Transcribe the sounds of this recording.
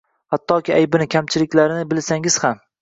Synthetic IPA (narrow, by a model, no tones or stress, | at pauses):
hat̪ːɒkʲɪajbɪnɪkʲʰamt͡ʃʰɪlɪkʲlaɾɪnɪbɪlsaŋɪz̥ham